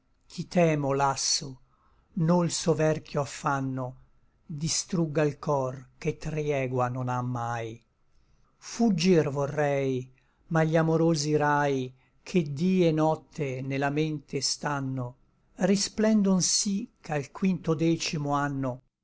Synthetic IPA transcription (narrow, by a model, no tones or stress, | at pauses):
k̟ʰit̪ɛːmolasːo | nolsovɛrkjoafːanːo | d̪ist̪ɾuɡːailkɔrket̪ɾjɛːɡwanonamːaːj | fud͡ʒːirvorːɛj | maʎːamoɾoːziɾaj | kʰed̪iːenɔt̪ʰːenelament̪est̪anːo | risplɛnd̪onsikʰalkwint̪od̪ɛːt͡ʃimoanːo